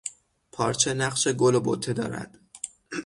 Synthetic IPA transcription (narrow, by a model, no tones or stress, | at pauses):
pʰɒːɾt͡ʃʰenæqʃeɡolobo̰t̪ʰːe̞d̪ɒ̰ːɾæ̰d̪̥